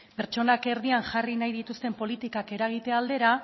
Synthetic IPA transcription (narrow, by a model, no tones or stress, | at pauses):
pe̞ɾt͡ʃo̞nake̞ɾð̞iaŋʝarinajðit̪ust̪e̞mpo̞lit̪ikake̞ɾaɣ̞it̪e̞ald̪e̞ɾa